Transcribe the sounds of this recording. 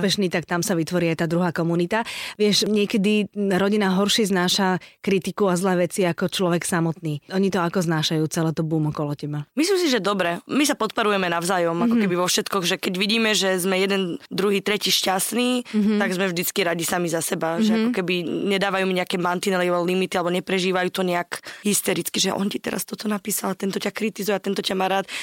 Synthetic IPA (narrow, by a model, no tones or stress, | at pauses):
pɛʃniːt̪ak̚t̪amsaʋit̪ʋɔɾiːajt̪aːd̪ɾuɦaːkɔmunit̪aʋɪɛʃɲɪɛkɛd̪iɾɔɟinaɦɔɾʃiznaːʃakɾit̪ikuazlɛːʋɛt͡siakɔt͡ʃlɔʋɛksamɔt̪niːɔɲit̪ɔakɔznaːʃajuːt͡sɛlɛːt̪ɔbuːmɔkɔlɔcɛbamislimsiʒɛd̪ɔbɾɛmisapɔt̪̚pɔɾujɛmɛnaʊzaːjɔmakɔkɛbiʋɔfʃɛt̪kɔɣʒɛkɛɟʋiɟiːmɛʒɛzmɛjɛd̪ɛnd̪ɾuɦiːt̪ɾɛciːʃcast̪niːt̪aɡzmɛvʒd̪it͡skiɾaɟisamizasɛbaʒɛakɔkɛbiɲɛd̪aːʋajuːmiɲɛakɛːmant̪inɛliɔlimit̪ialɛbɔɲɛpɾɛʒiːʋajuːt̪ɔɲɛakɦist̪ɛɾit͡skiʒɛʔɔ̰ncit̪ɛ̰ɾa̰st̪ɔt̪ɔnapiːsalat̪ɛnt̪ɔcakɾit̪izujɛat̪ɛnt̪ɔcamaːɾaːt̪